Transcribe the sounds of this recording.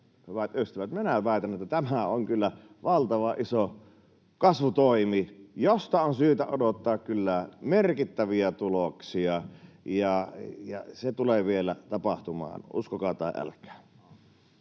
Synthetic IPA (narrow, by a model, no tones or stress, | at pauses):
hyʋæt̪øst̪iʋæt̪menæʋæˑet̪ænːʔet̪ːæt̪æmæoŋkylːæ | ʋɑlt̪ɑʋɑʔiso | kɑsʋut̪oˑimijost̪ɑonsyːt̪æodot̪ːɑːkkylːæmerkit̪ːæʋiæt̪uloksiɑjɑjɑset̪uleʋielæt̪ɑpɑht̪umɑ̰ːnṵskokɑˑt̪ˑɑˑḛʔʔæ̰lkˑæ̥ː